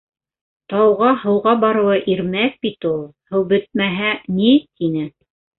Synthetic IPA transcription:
t̪ɑwʁɑhɤ̆wʁɑbɑɾɤ̆wɤʔiɾmæk̚bit̪ulˠhɤ̆wbɵt̪̚mæɦænit̪ʰinɘ

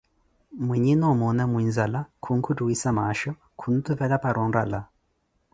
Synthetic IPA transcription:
mwiɲinɔmɔnamwinzalakʰuŋ̩kʰutuwisamaʃɔ | kʰun̩t̪ʰuvɛlapaɾɔnɾala

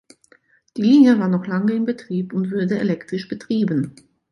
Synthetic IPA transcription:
d̥iːliːnjəvaːɐnɔχlaŋəɪmbətʁ̥iːpʊntv̥ʊɐdəḛlɛktʁ̥ɪʃb̥ətʁ̥iːbn̩

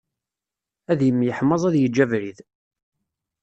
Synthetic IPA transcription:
æðjəmːjəħməzˤæðjəd͡ʒːævɾið

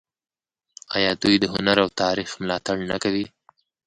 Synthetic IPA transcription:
ɑjɑd̪ujd̪əɦʊnaɾawt̪ɑɾixmlɑt̪aɽna̰kawi

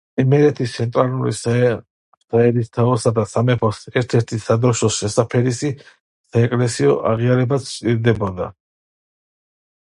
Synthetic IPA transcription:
imɛɾɛt̪ʰist̪sʰɛnt̪ʼɾaluɾḭs | saɛɾist̪ʰaɔsad̪asamɛpʰɔsɛɾt̪ʰɛɾt̪ʰisad̪ɾɔʃɔsʃɛsapʰɛɾisi | saɛkʼlɛsiɔʔa̰ʁiaɾɛbat̪sʰt͡ʃ̪ʼiɾd̪ɛbɔd̪a̰

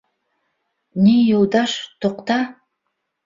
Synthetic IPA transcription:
nʲijolˠd̪ɑʃt̪oqt̪ɑ

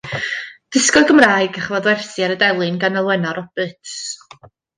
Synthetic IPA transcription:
d̥ɪskɔɡəmraːɨɡaχəvɔðwɛrθiaɾədɛlˠɨnɡanəlˠwɛnaɾɔb̥ɨtʰs

